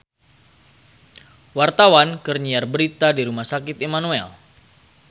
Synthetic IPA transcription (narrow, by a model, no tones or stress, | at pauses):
wart̪awankərɲiarbəɾit̪adiɾumahsakɪt̪emanuɛ̰l